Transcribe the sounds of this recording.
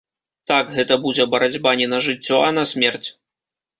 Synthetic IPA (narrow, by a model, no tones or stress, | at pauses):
t̪akɣɛt̪ɐbud͡zʲɛbɐɾad͡zʲbanʲinɐʐɨt͡sʲːɔɐnɐsʲmʲɛrt͡sʲ